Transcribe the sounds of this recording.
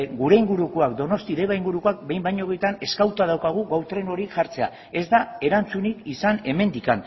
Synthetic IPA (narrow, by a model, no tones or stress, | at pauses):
ɡuɾe̞iŋɡuɾukoakd̪o̞no̞st̪iðeβaiŋɡuɾuko̞ak̚be̞jmbajɲo̞ɣejt̪ane̞skawt̪að̞awkaɣ̞uɣawt̪ɾe̞no̞ɾiʝaɾt͡se̞a̰ | e̞zd̪ae̞ɾant͡sunikisane̞me̞nd̪ikan